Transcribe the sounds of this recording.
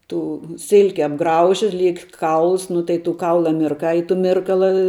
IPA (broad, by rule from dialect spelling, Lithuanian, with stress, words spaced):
ˈtuː ˈsʲɪlʲkʲɪ ɐbˈɡrɐʊʒʲɪ ˈlʲiɛk ˈkɐʊlˠs ˈnʊ tɐɪ tuː ˈkɐʊlˠɐ mʲɪrˈkɐɪ ɪ tʊ ˈmʲɪrkɐlˠɐ